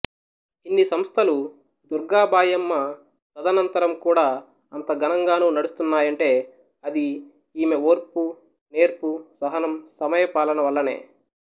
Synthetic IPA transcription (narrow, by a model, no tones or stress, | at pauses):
inːisɐmst̪ʰɐlu | d̪uɾɡaːbʱaːjɐmːɐ | t̪ɐd̪ɐnɐnt̪ɐɾɐmkuːɽaː | ɐnt̪ɐɡɐnɐŋɡaːnuːnɐɽust̪unːaːjɐɳʈe̞ː | ɐd̪i | iːmeoːɾpu | ne̞ːɾpusɐɦɐnɐmsɐmɐjɐpaːlɐnɐʋɐlːɐne̞̰ː